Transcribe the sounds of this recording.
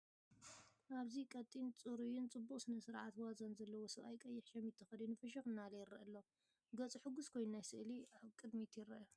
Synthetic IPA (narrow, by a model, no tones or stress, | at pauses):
ʔaβzikʼɐt̪ʼːint͡sʼɨɾujunt͡sʼɨbːukʼsɨnɐsɨɾʕat̪wazɐnzɐlːɐwosɨβajkʼɐjːɪħʃɐmit̪ʰːɐxɐd̪unɨfɐʃ̬ɐxɨnːalɐjɪrːɐ̰ʔɐlːo | ɡɐt͡sʼɨħɨɡʊskʰo̞jnunajsɨʔliaβkʼɨd̪mit̪ʰjɪrɐʔ